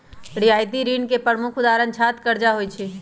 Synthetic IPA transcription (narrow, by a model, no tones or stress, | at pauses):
ɾiajt̪iɾinkepɾəmukʰud̪aɾənt͡ʃʰat̪kəɾd͡ʒaɦojt͡ʃʰi